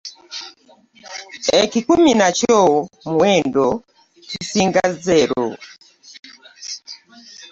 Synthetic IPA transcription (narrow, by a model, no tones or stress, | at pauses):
ɛkikuminat͡ʃɔmuwɛndɔ | kisiŋɡazɛɾɔ̰